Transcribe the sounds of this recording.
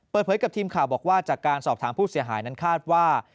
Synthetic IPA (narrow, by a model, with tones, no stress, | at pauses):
pəː˨˩t̪̚pʰɤː˩˨˦jka˨˩t̪ʰiː˧mkʰaː˨˩wbɔː˨˩k̚waː˥˩t͡ɕaː˨˩kːaː˧nsɔː˨˩p̚t̪ʰaː˩˦mpʰuː˥˩si˩˦ɐɦaː˩˦jna˦˥nkʰaː˥˩t̪̚waː˥˩